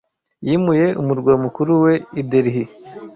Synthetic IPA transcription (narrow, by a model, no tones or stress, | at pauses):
jimuje̞ʔumuɾɡwaːmukuɾuwe̞ideɾihi